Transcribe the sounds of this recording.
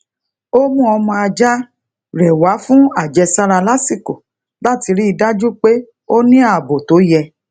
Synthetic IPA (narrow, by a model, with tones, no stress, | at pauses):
o˦mũ˦ɔ˧mɔ̃˧a˧d͡ʒa˦ | ɾɛ˨wa˨˦fũ˦a˦˨d͡ʒɛ˧sa˦ɾa˧la˦si˦˨ko˨ | la˦˨ti˧ɾi˦i˧da˦d͡ʒu˦k͡pe˦ | o˦nĩ˦a˦˨bo˨to˨˦jɛ˧